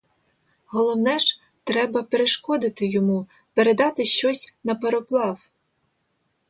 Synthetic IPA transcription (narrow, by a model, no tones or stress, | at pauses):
ɦɔlˠɔwnɛʒ | t̪ɾɛbɐpeɾeʃkɔd̪ɪt̪ɪjɔmu | peɾed̪ɑt̪ɪʃt͡ʃɔsʲnɐpeɾɔplˠɑw